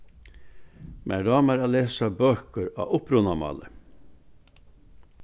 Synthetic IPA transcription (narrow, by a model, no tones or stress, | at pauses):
mʔæ̰ːɖɑːmæɾɑːleːsɑbøːkəɾɑ̰ːʔʊpɾʊnɑmɑ̰ːlə